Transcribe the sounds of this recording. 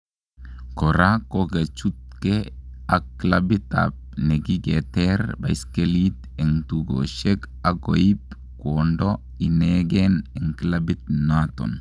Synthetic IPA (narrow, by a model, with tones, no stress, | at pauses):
kɔ˨ɾa˦ko˦ɡa˨t͡ʃu˦t̪̚kɛa˨klabi˦t̪a̰b̚ne˨ɡi˦ɡe˨t̪eɾba̰˨i˨skelit̪ | e˨ŋt̪uɡo̰ʃe˦k | a˨ɡo˨i˦p | kondɔ | i˨neɡenɛ˨ŋklabi˦t̪̚nat̪ɔ̰˨n